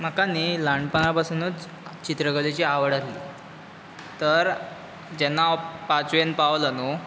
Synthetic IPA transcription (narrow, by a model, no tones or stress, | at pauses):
m̤əkanːiːlaɳɖpəɳapasunuːt͡s | t͡ɕit̪ɾəɡəlet͡ɕiːaʋəɽat̪lḭː | t̪əɾ | d͡ʑɛnːapat͡suʋenpaʋlənu